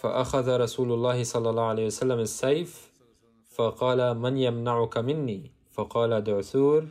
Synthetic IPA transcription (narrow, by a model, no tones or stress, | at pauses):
faʔaxaðaɾˤɑsuːlʊlˤːɑːhɪsˤɑlːɑlˤːɑːhʊʕalaːjwasalːamɪsːajf | fɑqɑːlamanjamnaʕʊkamɪnːiː | fɑqɑːlad̪ʊʕθuːɾ